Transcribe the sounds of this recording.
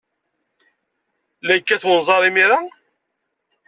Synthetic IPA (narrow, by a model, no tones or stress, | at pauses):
læjkːæθwənzˤɑɾˤimiɾa